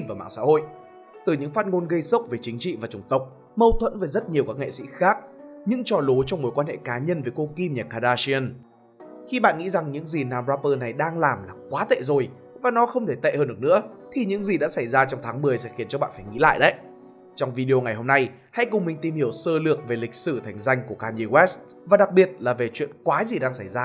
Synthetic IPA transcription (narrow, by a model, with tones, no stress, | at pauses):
nvaː˨˩ma̰ː˧˨ŋsa̰ː˧˥ho̰˧˨jʔ | t̪ɨ˨˩ɲɨ̰˧˥ŋfaː˦˥t̚ŋo˧nɣə˧jsə˦˥wk͡p̚ve˨˩t͡ɕï˨˦ŋ̟t͡ɕḭ˧˨vaː˨˩t͡ɕʊ˨˧˩ŋ͡mt̪ə˨˩wk͡p̚ | mə˧wt̪ʰwə̰˧˥nve˨˩jzə˦˥t̚ɲi˨˩əwkaː˦˥k̚ŋḛ˧˨sḭ˧˥xaː˦˥k̚ɲɨ̰˧˥ŋt͡ɕɔ˧˩lo˨˦t͡ɕɔ˧wŋ͡mmo˨˦jkwaː˧nhḛ˧˨kaː˨˦ɲə˧nvəː˨˦jko˧ki˧mɲaː˨˩kaː˧˩ɗaː˧si˧ə˧n | xi˧ɓa̰ː˧˨nŋḭ˧˥za˨˩ŋɲɨ̰˧˥ŋzi˨˩naː˧˩mzaː˧pəː˧na˨˩jɗaː˧ŋlaː˨˩mlaː˨˩kwaː˨˦t̪ḛ˧˨zo˨˩j | vaː˨˩nɔ˨˦xə˧wŋ͡mt̪ʰe˧˩t̪ḛ˧˨həː˧nɗɨ˧˩ək̚nɨ̰˧˥ət̪ʰi˨˩ɲɨ̰˧˥ŋzi˨˩ɗa̰ː˧˥sa˧˩jzaː˧t͡ɕɔ˧wŋ͡mt̪ʰaː˨˦ŋmɨ˨˩əjsɛ̰˧˥xi˨˦ənt͡ɕɔ˧ɓa̰ː˧˨nfaː˧˩jŋḭ˧˥la̰ː˧˨jɗə˦˥j | t͡ɕɔ˧wŋ͡mvi˧ɗi˧o˧ŋa˨˩jho˧mna˧j | ha̰˧˥jkʊ˨˩ŋ͡mmï˨˩ŋ̟t̪i˨˩mhi˧˩əwsəː˧lɨ˨˩ək̚ve˨˩lï˨˩k̟̚sɨ˧˩t̪ʰa˨˩jŋ̟za˧jŋ̟ku˧˩əkaː˧mɲi˧wɛ˦˥svaː˨˩ɗa˨˩k̚ɓi˨˩ət̚laː˨˩ve˨˩t͡ɕwḭ˧˨ənkwaː˨˦zi˨˩ɗaː˧ŋsa˧˩jzaː˧